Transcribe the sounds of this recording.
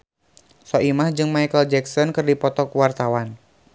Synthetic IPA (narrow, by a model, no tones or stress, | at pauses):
sɔʔimahd͡ʒɨŋmajkəld͡ʒɛksɔnkɨrdipɔt̪ɔkuwart̪awan